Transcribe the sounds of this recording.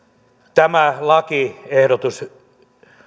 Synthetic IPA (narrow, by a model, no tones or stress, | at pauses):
t̪æmælɑkiehɾot̪us